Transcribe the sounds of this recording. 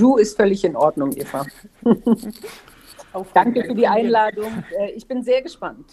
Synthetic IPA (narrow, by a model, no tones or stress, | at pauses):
d̥uːɪstfœlɪçɪnʔɔɐdnʊŋʔḛːfa | d̥aŋkəfyːɐdiːʔaɪnnlaːdʊŋʔɛːʔɪçb̥ɪnzeːɐɡəʃpant